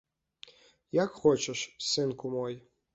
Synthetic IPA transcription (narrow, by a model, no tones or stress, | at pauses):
jakxot͡ɕeʂsɨnkʊmoj